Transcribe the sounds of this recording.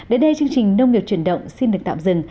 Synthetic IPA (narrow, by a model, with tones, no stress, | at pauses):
ɗe˨˦nɗə˧jt͡ɕɨ˧əŋt͡ɕï˨˩ŋ̟nə˧wŋ͡mŋi˨˩p̚t͡ɕwi˧˩ənɗə̰˧˨wŋ͡msi˧nɗɨ˨˩k̚t̪a̰ː˧˨mzɨ̰˧˩ŋ